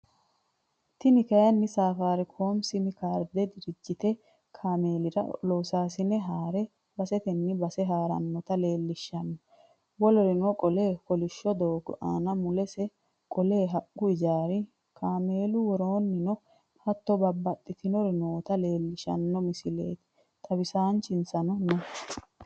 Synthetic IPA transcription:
t̪ɪnɪkɐjɐnːɪsaːfaːɾɪkʰo̞ːmsɪmɪkaːɾd̪ɛd̪ɪɾɪd͡ʒːɪt̪ɛ | kʰaːme̞ːlɪɾɐ̰lɔwsaːsɪnɛɦaːɾɛ | bɐsɛt̪ɛnːɪbɐsɛɦaːɾɐ̰nːɔt̪ɐle̞ːlːɪʃːɐnːɔ | wɔlɔɾɛnɔkʼɔleːkɔlɪʃːɔd̪oːɡɔ̰ʔa̰ːnɐmʊlɛsɛ | kʼɔle̞ːɦɐkːʊɪd͡ʒaːɾɪ | kʰaːme̞ːlʊwɔɾo̞ːnːɪnɔ | hɐt̪ːɔbɐbːɐt̪ʼːɪt̪ɪnɔɾɛnoːt̪ɐle̞ːlːɪʃɐ̰nːɔmɪsɪle̞̰ːt̪ɪ̥ | t̪ʰɐbɪsaːnt͡ʃɪnsɐnɔnɔ

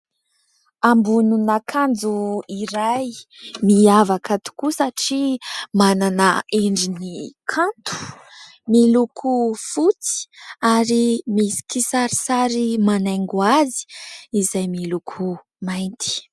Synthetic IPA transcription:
ambununakʰand͡zuiɾajmiavakət̪u̥kusaʈ͡ʂimananaeɳɖ͡ʐinikʰant̪ʰu̥ | milukʰufut͡si̥aɾimisi̥kisaɾisaɾimanaŋɡuazi̥ːzajmilukʰu | majnt̪i̥

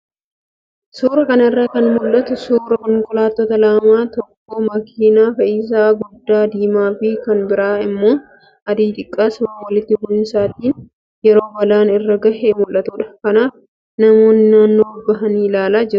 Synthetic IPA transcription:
suːɾɐkɐnɐɪrːɐkɐnmʊlʔːɐt̪ʊsuːɾɐkɔŋkʼʊlaːt̪ːoːt̪ɐlaːmaːt̪ɔkːoːmɐkʰiːnaːfɐʔiːs̬aːɡʊd̪ːaːd̪iːmaːfɪkɐnbɪɾaːɪmːo̞ː | ɐd̪iːt̪ɪkʼːaːsʊmaːwɐlɪt̪ːɪbʊʔɪnsaːt̪iːn | jɛɾo̞ːbɐlaːnɪrːɐɡɐhemʊlʔɐt̪uːᶑɐkɐnaːf | nɐmo̞ːnːɪnaːnːoːbɐɦɐniːlaːlaːd͡ʒɛɾʊ

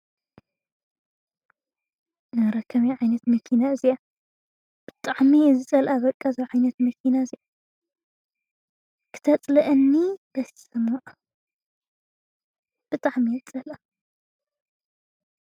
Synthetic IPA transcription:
nɨɾɐkʰːɐmjiʕajnɐt̪mɐkʰinaɨzija | b̥ɨ̥t̪ʼaʕmizɨt͡sʼɐlʔaβɐkʼːazɐβʕajnɐt̪mɐkʰinaɨzija | kʰɨ̥t̪ʰɐt͡sʼlɐʔɨnːibɐssɨmɐʔa | b̥ɨt̪ʼaʕmijzɨt͡sʼɐlʔa

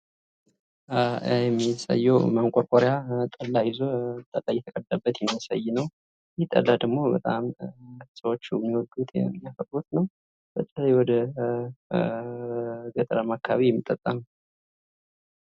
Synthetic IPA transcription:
jɛmːisa̰jːɛwmaŋkʷʼɔɾkʼoɾejat̪ʼəlːajɪzot̪ʼəlːajɛt̪ʰəkʼəd̪ːəbːət̪jɛmːiasa̰jːnəw | jɪht̪ʼə̰lːad̪əɡmo̞bət̪ʼa̰msəwot͡ʃːujɛmːiwɔɡ̪ut̪mːjafət̪ʼɾut̪nəw | b̥ət̪ʼːəlajwɔd̪ə | ɡət̪ʼəɾəmakʰːaβijɛmːit̪ʼːət̪ʼːəm

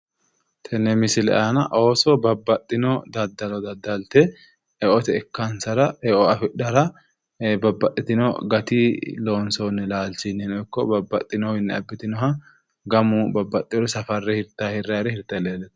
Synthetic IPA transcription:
t̪ʰɛnːɛmɪsɪlɛ̰ʔanɐʔoːsɔbɐbːɐt̪ʼːɪnɔd̪ɐd̪ːɐlɔd̪ɐd̪ːɐlt̪ɛ | ɛʔɔt̪ɛɛkːɐnsɐɾɐɛʔɔɐfɪɗːɐɾɐ | bɐbːɐt̪ʼːɪt̪ɪnɔ̰ɡɐt̪iloːnsonːɛlaːlt͡ʃɪnːɛnɔjkːɔbɐbːɐt̪ʼːɪnɔhɪnːɛɐbːɪt̪ɪnɔɦɐ | ɡɐmʊbɐbːɐt̪ʼːɪɔɾɔsɐfɐrːɛhɪɾt̪ːahɪrːɐɾɛhɪɾt̪ːɐleːlɛt̪ː

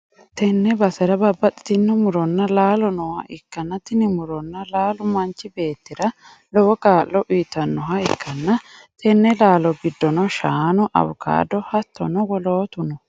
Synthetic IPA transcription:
t̪ʰɛnːɛbɐsɛɾɐbɐbːɐt̪ʼɪ̥t̪ɪnːɪmʊɾɔnːɐlaːlɔnɔwɐʔɪkːɐnːɐt̪ɪnɪmʊɾɔnːɐlaːlʊmɐnt͡ʃːɪbe̞ːt̪ːɪɾɐ | lɔwɔɡaːlːɔʔiːt̪ɐnːɔɦɐɪkʰːɐnːɐt̪ʰɛnːɛlaːlɔɡɪd̪ːɔnɔʃaːnɔʔɐ̰wʊkʰa̰ːd̪ɔhɐt̪ːɔ̰nɔwɔloːt̪ʊnɔ

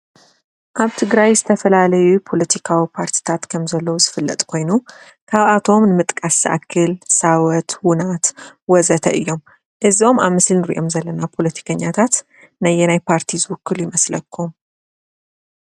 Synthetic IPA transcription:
ʔaβt̪ʰɨɡɾajzɨt̪ʰəfɐlalɐjupʰo̞lət̪ʰikʰawipʰaɾt̪ʰi̥t̪ʰat̪kʰəmzɐlːəwuzɨfɨlːət̪ʼkʰo̞jnu | kʰaβat̪ʰo̞mnɨmɨt̪ʼkʼasʔa̰kʰːɨlsawɔt̪wʊnat̪wɔzət̪ʰəʔɨjːo̞m | ʔɨzio̞maβmɨslnɨɾḭʔo̞mzɐlːənapʰo̞lət̪ʰi̥kʰəɲːat̪ʰat̪ | nɐjːɛnajpʰaɾt̪ʰizɨwʊkːɨljɪmɐsləkʰːum

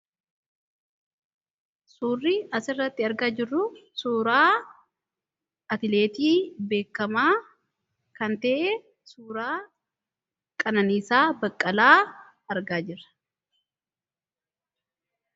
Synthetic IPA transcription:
suːrːiɐsɪrːɐt̪ːɪɐɾɡaːd͡ʒɪrːʊsuːɾaː | ɐt̪ɪle̞ːt̪iːbe̞ːkːɐmaː | kɐnt̪ɐʔe | suːɾaː | kʼɐnɐniːsaːbɐkʼːɐlaː | ɐɾɡaːd͡ʒɪrɐ̥

